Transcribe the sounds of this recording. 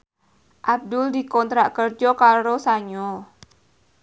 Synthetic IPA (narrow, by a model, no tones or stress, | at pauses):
ʔab̚d̪ʊldikɔnt̪ɾaʔkərd͡ʒɔkaɾosaɲɔ